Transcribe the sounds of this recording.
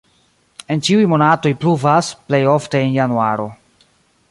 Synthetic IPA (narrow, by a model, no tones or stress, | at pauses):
e̞nt͡ʃiujmo̞nato̞jpluvasple̞jo̞fte̞enjanuaɾo̞